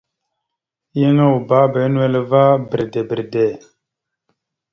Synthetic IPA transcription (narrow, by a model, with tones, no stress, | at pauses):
je˦ŋa˦wu˨ba˦be˨˦n˦e˦lva˦bə˨ɾde˨bi˨ɾde˨